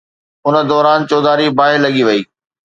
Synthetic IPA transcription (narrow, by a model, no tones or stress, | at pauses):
ʊnə̆d̪ɔːɾaːnt͡ɕɔːd̪aːɾibaːɦɪɾlɐɠiʋɐiː